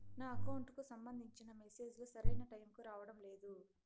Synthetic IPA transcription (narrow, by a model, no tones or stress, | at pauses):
naːɐkɐwuɳʈkusɐmbɐnd̪ʱiɲt͡ʃinɐmese̞ːd͡ʒlusɐɾɐjnɐʈɐjmkuɾaːʋɐɽɐmle̞ːd̪u